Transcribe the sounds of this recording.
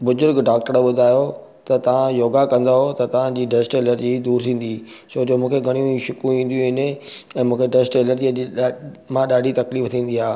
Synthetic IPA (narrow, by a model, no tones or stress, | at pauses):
bʊzʊɾɡɖaːkʈəɾɓʊd̪ʱaːjo | t̪ɐt̪ɐʋ̤ãjoːɡakɐ̃nd̪aɦot̪ɐt̪ɐʋ̤ãd͡ʑiːɖesʈeːləɾd͡ʑid̪uːɾt̪ʰĩːn̆d̪i | soːd͡ʑoːmũːkʰeɡʱɐɽ̃ijũʃʊkuĩːn̆d̪ijũɦɪneɛ̃ːmũːkʰeɖesʈeːləɾd͡ʑiɐ | mãɗaːɖʱit̪ɐkliːft̪ʰĩːn̆d̪iɦaː